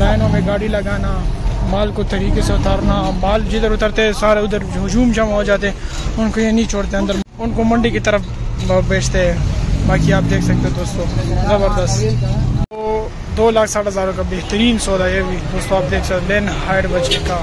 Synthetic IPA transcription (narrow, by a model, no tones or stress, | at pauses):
laːjnõmẽɡaːɽilɐɡaːnamaːlkot̪ɐɾiːkeseʊt̪aɾnamaːld͡ʒɪd̪əɾʊt̪əɾt̪eɛ̃saːɾeʊd̪əɾʊd͡ʒuːmt͡ʃɐmaɦod͡ʒaːt̪̬eɛ̃ | ʊnkojenĩt͡ʃʰoːɽt̪eɐ̃nd̪əɾ | ʊnkomɐ̃ɳɖikit̪əɾəf | beːt͡ʃʰt̪eɦɛ̃baːkiaːp̚d̪eːkʰsɐk̚t̪eɦɛ̃d̪oːst̪õːzɐbəɾd̪əst̪t̪o | d̪oːlaːkʰsaːʈɦɐzaːɾõkabeɦt̪əɾiːnsoːd̪ajebid̪oːst̪õaːp̚d̪eːkʰsɐkt̪d̪eːnɦaːjɖbət͡ʃka